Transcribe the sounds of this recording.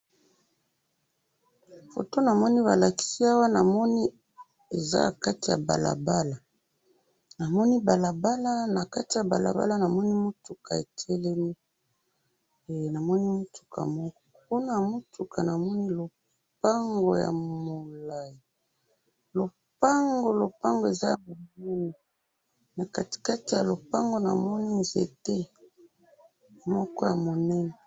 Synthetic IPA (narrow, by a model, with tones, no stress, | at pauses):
fo̰˨to˦na˨mɔ˦ni˦βa̰˨la˨ki̥˦si˦a˦wa˦na˨mɔ˦ni˦ | e˨za̰˦˨ka˦ti˨ja̰˨ba̰˨la̰˨ba˦la˨ | na˨mɔ˦ni˦ba˨la˨ba˦la˦na˨ka˦ti˨ja˨ba̰˨la̰˨ba̰˦la˦na˨mɔ˦ni˦mo˦tu˨ka˨e˨tʰɛ˦lɛ˦mi˦˨ | na˨mɔ˦ni˦mo˦tʰu̥˨kʰa̰˨mɔ˦kɔ̥˦pu˦na˦˨mo˦tʰu˨ka˨na˨mɔ˦ni˦lo˨ | pa˦ŋɡo̰˨ja̰˨mo˨la˦˨ji˨ | lo˨ | pa˦ŋɡo˨lo˨pa˦ŋɡo˨e˨za˦ja˨mo˨bu˦ni˨ | na˨ka˦ti̥˨ka˦ti˨ja˨lo˨pa˦ŋɡo˨na̰˨mɔ˦ni˦nzḛ˨te˦ | mɔ˦kɔ˦ja˨mo˨nɛ˦nɛ˨